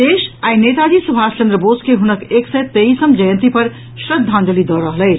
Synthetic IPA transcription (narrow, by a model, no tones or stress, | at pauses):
d̪eʃainet̪ad͡ʒisubʱast͡ʃə̃nd̪ɾəboskeɦunəkeksɛjt̪eisəmd͡ʒəjə̃nt̪ipəɾ | sɾəd̪ʱãnd̪əlid̪ɔɾəɦləɪt͡ʃʰ